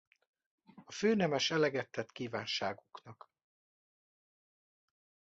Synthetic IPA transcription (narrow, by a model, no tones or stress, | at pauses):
ɒføːnɛmɛʃɛlɛɡɛt̪ːɛt̪kiːvaːnʃaːɡuknɒk